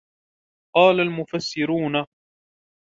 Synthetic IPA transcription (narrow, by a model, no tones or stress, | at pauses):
qɑːlalmʊfasːɪɾuːna